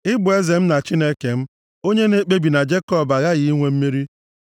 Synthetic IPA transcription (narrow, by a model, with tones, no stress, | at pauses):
ɪ˦bʊ˨e˦ze˨m̩˦na˨t͡ʃɪ˦ne˦ke˨m̩˦ | o˦ɲe˦ne˦k͡pe˦bi˨na˨d͡ʒe˦kɔ˦˨ba˨ɣa˦ɣi˨i˦ŋʷe˦m̩˦mi˦ɾi˦